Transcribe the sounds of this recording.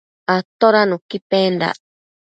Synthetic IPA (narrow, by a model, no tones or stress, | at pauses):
at̪oɾanũkipend̪a̰